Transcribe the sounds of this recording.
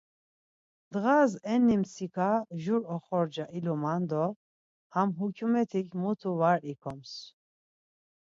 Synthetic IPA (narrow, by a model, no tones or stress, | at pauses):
d̪̥ɣazɛnːimsikʰaʒuɾɔχɔɾd͡ʒaʔilɔmand̪ɔ | hamɦukʰumɛt̪ʰikʰmut̪ʰuvaɾikʰɔms